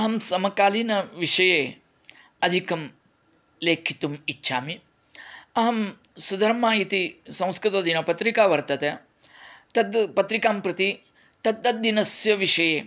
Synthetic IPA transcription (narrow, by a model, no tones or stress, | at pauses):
ɐɦɐmsɐmɐkaːliːnɐʋiʂɐjeː | ɐd̪ʱikɐm | leːkʰit̪umitːʃʰaːmi | ɐɦɐm | sud̪ʱɐɾmaːjit̪isɐ̃w̃skɾɪt̪ɐd̪inɐpɐt̪ɾikaːʋɐɾt̪ɐt̪ɐ | t̪ɐd̪pɐt̪ɾikaːmpɾɐt̪i | t̪ɐt̪̚ːɐt̪̚d̪inɐsjɐʋiʂɐjeː